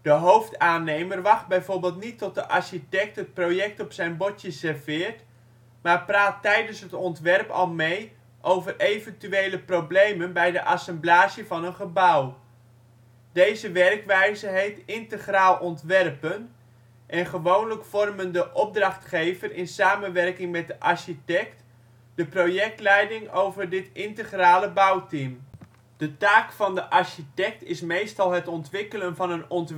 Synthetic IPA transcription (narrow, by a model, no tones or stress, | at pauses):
d̥əɦowftaːnejmərʋɑχd̚bɛjvoːɹbɪːlˠtnitːɔt̚dəʔɑɹʃitɛk̚tɦət̚prowjɛk̚tɔpsɛjnbɔcəsɛrvɪːɹt | maːɹpraːtːɛjdənsɦətɔntʋɛrpɑ̰lˠmej | ʔowvərʔejvəntyʋejləproblejmənbɛjdəʔɑsɛmblaːsəvɑnənχəbʌw | d̥ejzəʋɛrkʋɛjzəɦejftɪntəχraːlˠʔɔntʋɛrpən | ʔɛnχəʋownləkfɔrməndəʔɔb̚drɑχtχejvərʔɪnsaːmənʋɛrkɪŋmɛt̚dəʔɑɹʃitɛk̚t | dəprowjɛk̚tlɛjdɪŋowvəɹdɪtɪntəχraːləbʌwtim | d̥ətaːkfɑndəʔɑɹʃitɛk̚tɪsmejstɑlˠɦətɔntʋɪkələnvɑnənɔnt